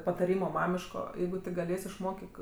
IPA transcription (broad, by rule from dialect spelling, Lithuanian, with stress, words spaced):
pɐtɐˈrʲiːmoː ˈmɑːmʲɪʃkoː ˈjɛɪɡʊ tʲɪk ɡɐˈlʲeːsʲ ɪʃˈmoːkʲɪk